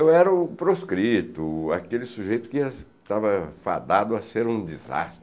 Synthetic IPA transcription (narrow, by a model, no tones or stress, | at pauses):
ewɛɾɐʊpɾoskɾit̪ʊa̰kelɪsuʒejt̪ʊ̥kɪiɐ | t̪avɐfa̰d̪ad̪ʊɐseɾũd͡ʒiza̰st̪ɾɪ